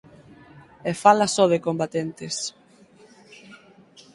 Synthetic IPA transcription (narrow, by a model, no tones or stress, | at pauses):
efalɐsɔð̞ekombat̪ent̪es